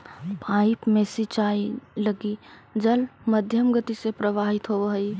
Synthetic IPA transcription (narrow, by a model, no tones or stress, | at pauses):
pʰaːɪpmẽsit͡ʃaːilɐɡid͡ʒəlməd̪ʱjəmɡət̪isepɾɐʋaːɦɪt̪ɦoɦɐi